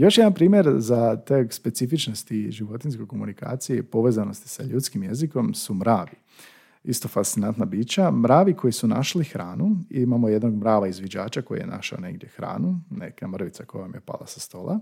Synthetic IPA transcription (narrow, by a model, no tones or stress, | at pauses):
jo̞ʃjed̪anpɾiːmjeɾzat̪ekspe̞t̪sifit͡ʃno̞st̪iʒiʋo̞t̪inskojko̞munika̰ːt̪sijepo̞ʋeːzano̞st̪i̥saʎuːt̪skimje̞ziko̞msumɾaːʋi | ist̪o̞fast̪sinant̪nabiːt͡ʃamɾaːʋikʰo̞jisuna̰ʃlixɾaːnuimamoje̞d̪no̞ɡmɾaːʋaizʋjed͡ʑa̰ːt͡ʃako̞jḭjenʔa̰ʃaone̞̰ɡd̪ʲjexɾa̰ːnunḛkamr̩ʋit̪sako̞jomjepa̰lˠa̰sḁst̪o̞ːlˠa̰